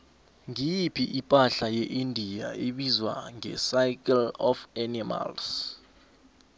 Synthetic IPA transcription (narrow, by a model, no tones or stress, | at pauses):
ŋijipʰiʔipʼaɬajɛʔindʱija̰eɓizwa̰ŋɛ̰sajkʼɛlɔfanima̰ls